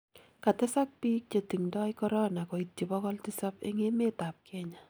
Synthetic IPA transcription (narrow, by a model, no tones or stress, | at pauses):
katɪsak̚piːk̚t͡ʃetiŋdɔjkɔɾɔnakɔitːibɔkɔltɪsapḛŋemetap̚kʰɛɲa